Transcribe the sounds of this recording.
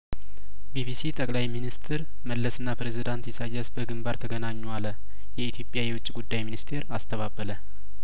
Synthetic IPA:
bibisit̪ʼəkʼlajminist̪ʰɨɾ | məlːəsɨnːapɾezid̪ant̪jɛsajːɛsbəɡɨmbaɾt̪ʰəɡənaɲːalə | jɛit̪ʰjo̞pʼjajɛwʊt͡ʃʼːiɡud̪ːajminist̪ʰe̞ɾast̪ʰəβabələ

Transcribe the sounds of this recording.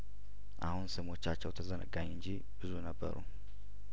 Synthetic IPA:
ʔa̰hunsɨmo̞t͡ʃːat͡ʃːɛwt̪ʰəzənə̰ɡaɲːɨɲd͡ʒi | bɨzunəbːə̰ɾṵ

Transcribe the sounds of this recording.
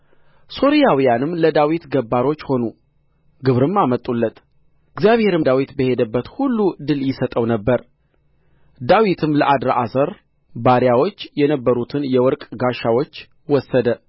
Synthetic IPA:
so̞ɾijawijanɨmləd̪awit̪ɡəbːaɾo̞t͡ʃːho̞nu | ɡɨβɾɨmːamət̪ʼːulːət̪ | ɨɡzjaβhe̞ɾɨd̪awit̪bəhe̞d̪əbːət̪hulːud̪ɨljɪsət̪ʼəwnəbːəɾ | d̪awit̪ʰɨmləʔad̪ɾaʔasəɾ | baɾjawo̞t͡ʃːjɛnəbːəɾut̪ʰɨnjɛwɔɾkʼɡaʃawot͡ʃː | wɔsːəd̪ə

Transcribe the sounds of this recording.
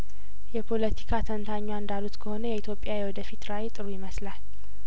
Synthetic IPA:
jɛpʰo̞lət̪ʰi̥kʰat̪ʰənt̪ʰaɲːwaɨnd̪alut̪kʰəho̞nəjɛit̪ʰjo̞pʼːjawjwɔd̪əfit̪ɾawet̪ʼɨɾujɪməslal

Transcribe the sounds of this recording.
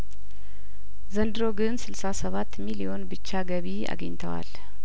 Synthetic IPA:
zənd̪ɨɾo̞ɡɨnsɨlsasəβat̪ːmilijo̞nbɨt͡ʃːaɡəβiʔa̰ɡəɲt̪ʰəwa̰l

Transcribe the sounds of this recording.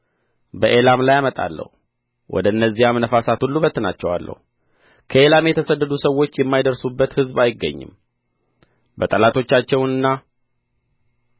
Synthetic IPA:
bəʔe̞lamlajamət̪ʼa̰lːə̰hu | wʔɔ̰d̪əɨnːəzːihamnəfasat̪ʰulːubət̪ːɨnat͡ʃːɛwa̰lːə̰hu | kʰəe̞lamjɛt̪ʰəsəd̪ːəd̪usəwːo̞t͡ʃːjɛmːajd̪əɾsubːət̪hɨzbajɪɡːə̰ɲːɨ̰m | bət̪ʼəlat̪ʰo̞t͡ʃːat͡ʃːɛwnɨnːa

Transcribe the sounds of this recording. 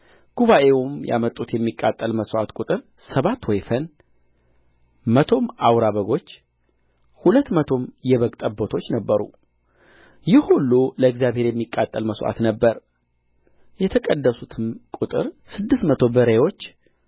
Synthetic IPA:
ɡ̥uβaʔe̞umja̰mət̪ʼːut̪jɛmːikʼːat̪ʼːəlməsʔa̰t̪kʼut̪ʼɨɾ | səβat̪ːwɔjfən | mət̪ʰo̞mawɾaβəɡo̞t͡ʃː | hulət̪ːmət̪ʰo̞mjɛβəkʼt̪ʼəbːo̞t̪ʰo̞t͡ʃːnəbːəɾṵ | jɪhulːuləɨɡzjaβhe̞ɾjɛmːikʼːat̪ʼːəlməsʔa̰t̪nəbːəɾ | jɛt̪ʰəkʼəd̪ːəsut̪ʰɨnkʼut̪ʼɨɾsɨd̪ːɨst̪mət̪ʰo̞bəɾəwo̞t͡ʃː

